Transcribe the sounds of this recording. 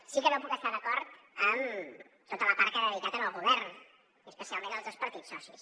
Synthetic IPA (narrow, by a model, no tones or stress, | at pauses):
sikənopukəst̪aðəkɔɾt̪ | əm | t̪ot̪ələpaɾkəɾəɾit̪at̪əməlˠɣuβ̞ɛɾn | əspəsialˠmenəlˠzðəspəɾt̪isɔsis